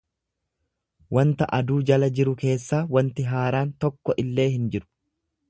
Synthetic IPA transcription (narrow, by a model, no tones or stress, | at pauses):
wɐnt̪ɐʔɐd̪uːd͡ʒɐlɐd͡ʒɪɾʊke̞ːsːaːwɐnt̪ɪɦaːɾaːnt̪ɔkːɔʔɪlːe̞ːhɪnd͡ʒɪɾʊ̥